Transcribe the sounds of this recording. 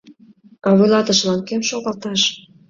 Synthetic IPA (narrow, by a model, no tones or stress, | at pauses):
ɑβujlɑt̪ə̆ʃlɑnkemʃoɣɑlt̪ɑʃ